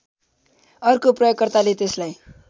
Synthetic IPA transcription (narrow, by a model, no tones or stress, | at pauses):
ʌrkoprʌjokkːʌrt̪alet̪eslaj